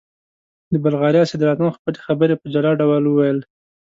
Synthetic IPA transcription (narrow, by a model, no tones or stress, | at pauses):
d̪əbalɣɑɾjɑsɪd̪ɾɑt̪ɑnxpəlexabəɾepəd͡ʒalɑɖawəlwəwajəl